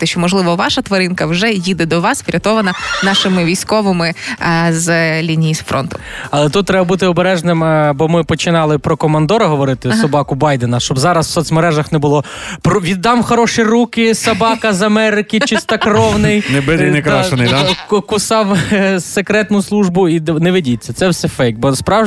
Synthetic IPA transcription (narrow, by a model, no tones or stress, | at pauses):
t̪ɛʃt͡ʃɔmɔʒlˠɪʋɔʋɑʃɐt̪ʋɐɾɪnkɐwʒɛjid̪ɛd̪ɔʋɑsʋɾʲɐt̪ɔʋɐnɐnɑʃɪmɪʋʲijsʲkɔʋɪmɪzlʲinʲijisfɾɔ̰nt̪ʊɐlˠɛt̪ut̪̚tːɾɛbɐbut̪ɪɔbeɾɛʒnɪmbɔmɪpɔt͡ʃɪnɑlˠɪpɾɔkɔmɐnd̪ɔɾɐɦɔʋɔɾɪt̪ɪsɐbɑkʊbɑjd̪enɐʃt͡ʃɔbzɑɾɐsw̥sɔt̪sʲmeɾɛʒɐxnɛbʊlˠɔ | pɾɔʋʲid̪ːɑmxɐɾɔʃirukɪsɐbɑkɐzɐmɛɾɪkɪt͡ʃɪst̪ɐkrɔwnɪjnɛbɪd̪ɪjnɛkɾaʃnɪkkʊsɑwsekɾɛt̪nʊslˠuʒbʊinɛʋɪdʲit͡sʲːɐsɛwsɛfɛjk̚t̪̚bɔspɾɑw